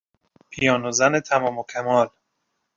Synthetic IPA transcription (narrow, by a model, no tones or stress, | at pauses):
pʰijɒːnozænet̪ʰæmɒːmokʰæmɒːl